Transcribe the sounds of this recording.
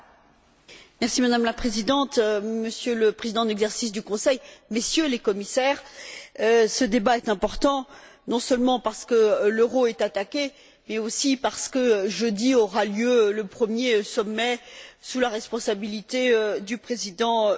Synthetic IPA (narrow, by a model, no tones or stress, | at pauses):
mɛʁsimad̪amlapχezid̪ɑ̃t̪məsjøləpχezid̪ɑ̃d̪lɛɡzɛʁsisd̪ykɔ̃sɛjmesjølekɔmisɛːʁ | səd̪ebaɛt̪ɛ̃pɔʁt̪ɑ̃ | nɔ̃sœlmɑ̃paʁsə̥kəløʁoɛt̪at̪akʲe | mɛosipaʁsə̥kəʒød̪iɔʁaljøləpχəmjesɔmːɛsulaʁɛspɔ̃sabilit̪eød̪ypχezid̪ɑ̃